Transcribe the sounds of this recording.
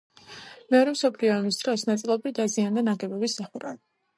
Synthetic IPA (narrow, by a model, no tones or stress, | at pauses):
mɛɔɾɛmsɔpʰliɔamisd̪̥ɾɔsnat̪sʼilˠɔbɾid̪aziand̪anaɡɛbɔbisːaχuɾa̰li